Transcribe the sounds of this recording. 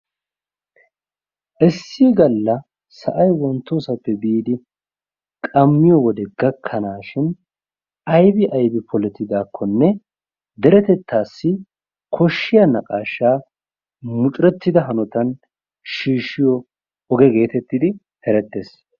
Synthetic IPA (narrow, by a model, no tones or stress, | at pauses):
ʔɛsːiːɡɐlːɐ | sɐʔɐjwɔnt̪ːoːsɐpːɛbiːd̪ɪ | kʼɐmːɪjɔwɔd̪ɛɡɐkʰːɐnaːʃɪn | ɐjbɪʔɐjbɪpʰɔlɛt̪ːɪd̪aːkʰːɔnːɛ | d̪ɛɾɛt̪ɛt̪ːaːsːɪ | kʰɔʃːɪjɐnɐkʼaːʃːaː | mʊt͡ʃʼɾɛt̪ːɪd̪ɐɦɐnɔt̪ɐn | ʃiːʃɪjɔ | ɔɡɛɡe̞ːt̪ɛt̪ːɪd̪ɪ | hɛɾɛt̪ːe̞ːs